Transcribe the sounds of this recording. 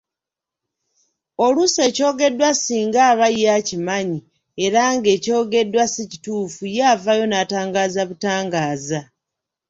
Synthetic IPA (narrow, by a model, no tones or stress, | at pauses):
o̞luse̞ːco̞ːɡe̞dːwasiːŋɡaːβajːacimaɲi | e̞ɾaŋɡe̞ːco̞ːɡe̞dːwasici̥tuːfujaːvajo̞naːtaːŋɡaːzaβutaːŋɡaːza